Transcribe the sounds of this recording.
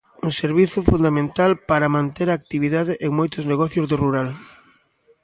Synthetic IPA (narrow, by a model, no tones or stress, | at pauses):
uŋseɾβiθʊfund̪amẽnt̪alpaɾɐmãnt̪eɾɐːk̚t̪iβiðað̞ɪʔeŋmojt̪ʊzneɣɔθjʊzðʊruɾal